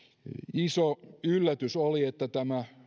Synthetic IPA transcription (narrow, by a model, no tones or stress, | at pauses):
isoylːæt̪ysoliet̪ːæt̪æmæ